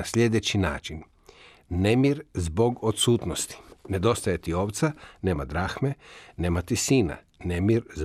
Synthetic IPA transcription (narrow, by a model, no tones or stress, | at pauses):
asʎʲe̞d̪e̞t͡ɕina̰ːt͡ʃinː | emiɾzbo̞ɡot̪suːt̪nost̪i̥ne̞d̪o̞st̪ajet̪io̞ːʋt̪sane̞ːmad̪ɾaːxme̞ne̞ːmat̪isiːna̰ | nemiɾz